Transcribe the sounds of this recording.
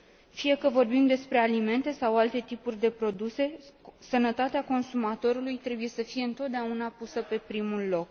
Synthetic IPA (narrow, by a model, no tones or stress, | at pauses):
fije̞kəvo̞rbimd̪e̞spɾe̞alime̞nt̪e̞sawalt̪e̞t̪ipurʲd̪e̞pɾo̞d̪use̞sənət̪at̪eako̞nsumat̪o̞ɾulujt̪ɾe̞buje̞səfije̞ɨnt̪o̞t̪̚d̪eaunapusəpe̞pɾimulːo̞k